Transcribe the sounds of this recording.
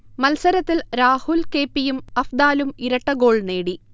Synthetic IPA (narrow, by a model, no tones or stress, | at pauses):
mɐlsɐɾɐt̪ːilɾaːhulke̞ːpːijumɐfd̪aːlumiɾɐʈːɐɡo̞ːɭne̞ːɽi